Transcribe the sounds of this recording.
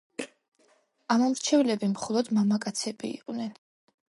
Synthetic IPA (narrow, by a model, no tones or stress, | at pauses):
amɔmɾt͡ʃʰɛvlɛbimχɔlˠɔd̪mamakʼat̪sʰɛbḭːqʼnɛn